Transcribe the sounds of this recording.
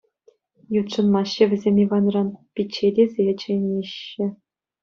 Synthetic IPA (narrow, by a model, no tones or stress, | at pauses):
jut̪ʂɤ̆nmɑɕːɘ̆ʋʲɘ̆zʲemʲiʋɑnrɑnpʲit͡ɕːedʲezʲet͡ɕɘ̆jnʲeɕːɘ̆